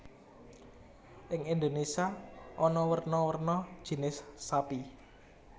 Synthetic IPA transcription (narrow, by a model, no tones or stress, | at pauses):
ʔɪŋind̪onesiaʔɔnɔwərnɔwərnɔ̥ʒ̥i̤nɪsːapi